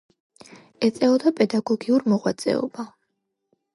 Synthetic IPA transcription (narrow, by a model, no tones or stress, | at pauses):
ɛt̪sʼɛɔd̪apʼɛd̪aɡɔɡiuɾmɔʁwat̪sʼɛ̰ɔ̰ba